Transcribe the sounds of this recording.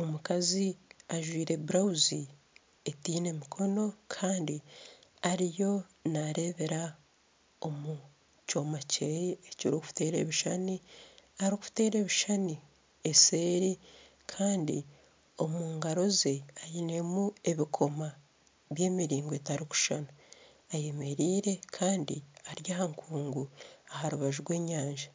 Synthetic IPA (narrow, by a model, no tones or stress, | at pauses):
omukaziaʒwiːɾe̞buɾawuzi | etiːne̞mikʰo̞no̞kʰaːndiaɾijo̞naɾe̞ːβeɾa | o̞mu | co̞ːmaceeciɾokufte̞ːɾe̞̰βiʃaniaɾikufte̞ːɾe̞ːβiʃani | ese̞ːɾi | kʰaːndḭ | o̞muːŋɡaɾo̞zeajine̞mue̞βikʰo̞ma | βje̞ːmiɾiːŋɡoetaɾiku̥ʃanu | aje̞me̞ɾiːɾe̞kʰaːndiaɾjaːhaŋkʰuːŋɡuahaɾuβaʒuɾɡwe̞ːɲaːɲʒa